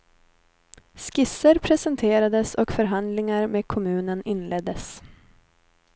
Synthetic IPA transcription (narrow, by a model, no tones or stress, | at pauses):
skɪsəɾpʰɾɛsɛnt̪ʰeːɾad̪əsɔkfœɾɦand̪lɪŋaɾmeːkʰʊmʉ̟ːnənɪnːlɛd̪əs